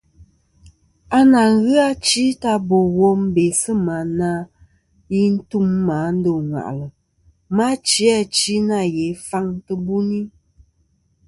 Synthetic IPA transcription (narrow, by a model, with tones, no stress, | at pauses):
a˦na˨ŋ˦ɣɯ˦a˦t͡ʃi˦ta˦bo˨wɔ˦m̩˦be˨sɨ˦ma˨˦na˦ | ji˦n̩˦tu˦mːa˨˦n̩˦do˨ŋwa̰˨ʔlə˨ | ma˦t͡ʃi˦a˦t͡ʃi˦na˦˨je˨˦fa˦ŋtə˦bu˦ni˦